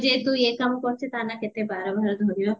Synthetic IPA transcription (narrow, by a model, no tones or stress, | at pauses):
d͡ʒeːt̪ujeːkɐmkot͡ʃʰet̪aːnakɪt̪ebaːɾobɐɾd̪ʱoːɾijo